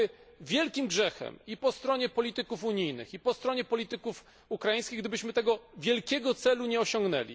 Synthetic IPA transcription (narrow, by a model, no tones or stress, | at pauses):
vʲjɛlkʲimɡʐɛxɛ̰mipɔst̪ɾɔɲɛpɔlʲit̪ɘkufuɲijnɘ̰xipɔst̪ɾɔɲɛpɔlʲit̪ɘkuf | ukɾaĩjskʲiɣɡd̪ɘbɘɕmɘt̪ɛɡɔvʲjɛlkʲɛɡɔt̪sɛluɲɛɔɕɔŋɡnɛ̰lʲḭ